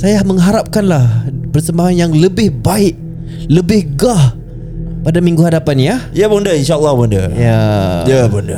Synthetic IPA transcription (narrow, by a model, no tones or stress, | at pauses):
sajahməŋɦaɾap̚kanlahpərsəmbaɦanjaŋləbɪhbaɪʔ̚ | ləbɪhɡah | padamĩŋɡuɦadapanjajabundəinʃaəlːahbundə̰jajabundə